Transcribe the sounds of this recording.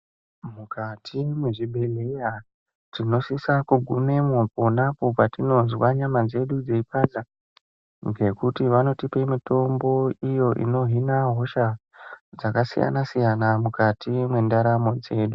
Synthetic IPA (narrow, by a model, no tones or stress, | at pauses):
mukatʰimweʐibʱe̞le̞ja | tino̞sisakuɡʱume̞mopo̞napopatino̞zwaɲamad͡ze̞ɗud͡ze̞ipaza | ŋɡe̞kutiʋano̞tipe̞mito̞mbo̞ijo̞ʔḭno̞ɦinaɦo̞ʃa | d͡zakasḭja̰nasijanamukatʰimwe̞ndaɾamo̞d͡ze̞ːɗu